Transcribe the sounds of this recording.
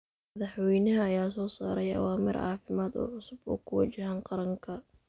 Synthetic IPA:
mɐðɑħwɛjnɐɦɐːjaːsɔːsaːɾɛjɐ̰waːmɪɾɑ̰ːfɪmaːd̪ɔ̰ːʕʊsʊbɔ̰ːkʰʊwɐt͡ʃɪhaːnqɑɾɐŋkʰɐ

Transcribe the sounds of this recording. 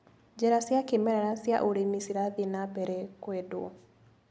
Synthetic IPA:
d͡ʒɛɾasjakemɛɾɛɾasja̰ʔoɾemisiɾaðenabɛɾɛkwedwɔ

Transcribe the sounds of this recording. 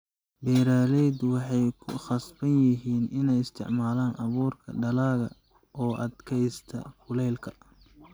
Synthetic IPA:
bɛːɾaːlɛjd̪wɑħɑjkʰʊχɑsbɐnjɪɦiːnɪnɛjɪst̪ʰɪ̰ʕmaːlaːnʔɐβuːrkʰɐ̰ɖɐlaːɣɐ | ʔɔːʔɐd̪kʰɛjst̪ʰɐ̰fʊlɛjlkʰɐ

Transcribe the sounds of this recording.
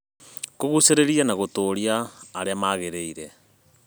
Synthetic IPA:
koɣuseɾeɾianaɣotoːɾiaːɾeamaːɣeɾeiɾɛ

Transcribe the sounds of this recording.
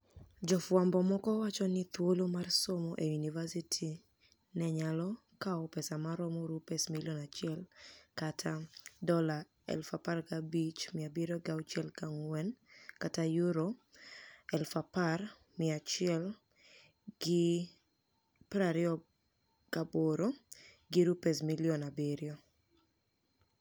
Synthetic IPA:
d͡ʒɔfwambɔmɔkɔwat͡ʃɔnɪt̪wolomarsomoʔejunivasitʰi | nɛɲalɔ | kaɔpɛsamaɾɔmɔɾupɛsmiljɔnat͡ʃɪɛlkatʰadɔla | ɛ̰lfaparkabit͡ʃmɪabiɾoɡawt͡ʃɛlkaŋwɛnkatajuɾo | ɛlfapar | mɪat͡ʃɪɛl | ɡɪ | pɾaɾɪɔ | kaboɾo | ɡɪɾupɛsmiljɔnabeɾjo

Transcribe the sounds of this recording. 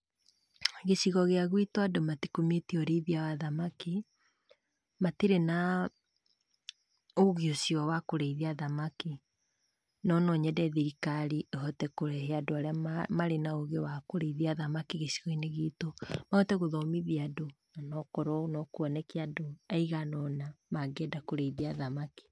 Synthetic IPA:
ɣeʃiɣɔɣeaɣwitoadomatikometiɔɾeðiawaðamaki | matiɾena | oɣjosjɔwakoɾeiðiaðamaki | nɔnɔɲɛdɛðiɾikaɾiehɔtɛkoɾɛheadoaɾeamaɾenaoɣjɔwakoɾeiðiaðamakiɣesiɔineɣitomahɔtɛɣoðɔmiðiadonanɔkɔɾɔnɔkwɔnɛkiadoaiɣanɔnamaɡɛdakoɾeiðiaðamaki̥

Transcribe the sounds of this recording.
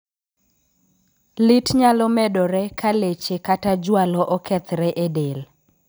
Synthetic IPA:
lɪtɲalɔmɛdɔɾɛkʰalet͡ʃekatad͡ʒwalɔʔɔkʰɛt̪ɾɛʔedel

